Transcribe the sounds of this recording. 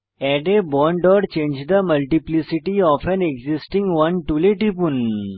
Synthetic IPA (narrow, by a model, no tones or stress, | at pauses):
ɛɖebɔ̃ɳɖɔɖt͡ɕẽɲd͡ʑd̪əməlʈiplisiʈiɔfɛ̃neɡzisʈĩŋɡʋɐnʈuleʈipun